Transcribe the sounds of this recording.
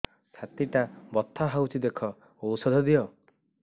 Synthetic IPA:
sʰat̪iʈabɔt̪ʰːaɦawt͡ʃʰid̪ekʰɔ | owsɔd̪ʱɔd̪iɔ

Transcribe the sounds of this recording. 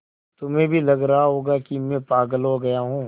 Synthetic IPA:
t̪ʊmẽbʱilɐɡɾɐɦaɦoːɡakimẽpaːɡəlɦoɡɐjaɦũː

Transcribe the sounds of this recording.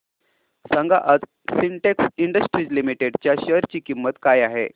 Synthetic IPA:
saŋɡaʔəd͡z | siɳʈeksiɳɖəsʈɾid͡ʑlimiʈeɖt͡ɕjaɕəɾt͡ɕiːkimːət̪kajaɦḛ

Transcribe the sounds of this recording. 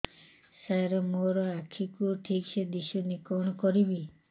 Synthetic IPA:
saɾɔmoɾɔakʰikuʈʰiksed̪iʃɔnikɔɽ̃ɔkɔɾibi

